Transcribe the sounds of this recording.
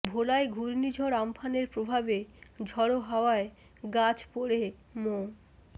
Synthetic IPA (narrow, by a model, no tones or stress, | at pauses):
bʱolaeɡʱuɾnid͡ʑʱoɾampʰaneɾpɾobʱabed͡ʑʱɔɽoɦɔoae | ɡat͡ɕpoɽe | mo